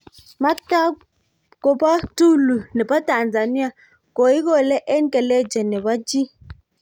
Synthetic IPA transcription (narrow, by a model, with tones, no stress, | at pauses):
ma˦ta˦ | kɔ˨pa˦tu˦lu˨nɛ˨pa˦ta˨nza˨ni˦a˨ | ko˨i˦kɔ˦˨lɛ˦ʔɛ˦nkɛ˨lɛ˦d͡ʒɛ˨nɛ˨βa˦d͡ʒi˦